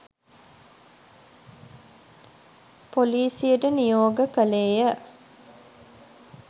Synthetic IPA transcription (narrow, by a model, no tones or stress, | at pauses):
poliːsijəʈənijoːɡəkəleːjə